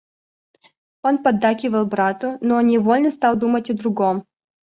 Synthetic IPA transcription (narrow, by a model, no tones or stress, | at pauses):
onpɐd̪ːakʲɪvəlˠbɾat̪ʊnonʲɪvolʲnəst̪ɑlˠd̪umətʲəd̪ɾʊɡom